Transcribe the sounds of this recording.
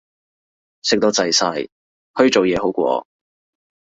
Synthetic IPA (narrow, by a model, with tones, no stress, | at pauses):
sɪ˨k̚t̪o˧t͡sɐ˨jsɐ˧˥j | hɵ˧ɥt͡so˨wjɛː˨˧ɦo˨˥wkʷɔ̰ː˧